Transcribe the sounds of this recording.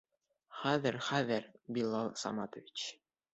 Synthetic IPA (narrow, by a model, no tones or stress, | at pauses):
χæðɘɾχæðɘɾbilˠːɑlˠsɑ̰mɑt̪ə̆vʲit͡ɕ